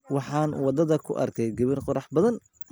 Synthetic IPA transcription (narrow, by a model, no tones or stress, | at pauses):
wɑħɑːnwɑd̪ɐðɐkʰʊ̰ʔɐ̰rkʰɛjɡɐβɪrqɔɾɑħbɐðɐn